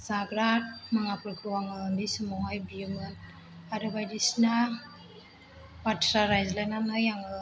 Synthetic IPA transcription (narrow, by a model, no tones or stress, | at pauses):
saɡɾat̚maŋapɯkɾuwaŋɯndisɯmɔɦajbijɯmɯn | aɾɯbajdisna | patɾaɾajzlanamnajaŋɯ